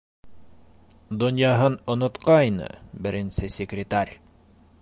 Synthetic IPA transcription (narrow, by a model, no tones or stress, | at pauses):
d̪ŏnjɑɦɤnŏnŏt̪qɑjnɤ̰bɘ̆ɾɘ̆nsɘsʲɪkrʲɪt̪aɾʲ